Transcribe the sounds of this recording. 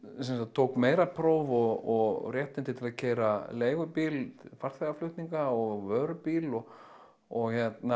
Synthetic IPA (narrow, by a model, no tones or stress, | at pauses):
sɛnsat̪ʰːowkmeːjɾapʰɾoːwvɔɔɣrjɛht̪nɪnt̪ɪt̪ʰɪlaðcʰeːjɾaleːjɣʏpilfar̥θeɣaflʏht̪niŋkaɔɣvœːɾʏpiːlɔ | ɔɣçɛt̪na